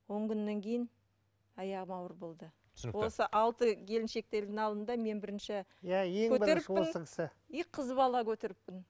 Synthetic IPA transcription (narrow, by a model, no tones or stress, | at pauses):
wo̞ɴkʲʰʏnːe̞ŋkʲʰe̞jɪn | ɑjɑʁəmɑwəɾbo̞lˠd̪ə | wo̞səʔɑlˠt̪əɡʲʰe̞lɪnʃe̞k̚t̪e̞ld̪ɪŋɑlˠd̪ənd̪ɑme̞nbɪɾɪnʃɪjæjeŋkʰɵbɪɾeɾɪonsəɪ̥sɪ | ijqʰəzbɑlˠɑkʲʰɵt̪eɾɪpːɪn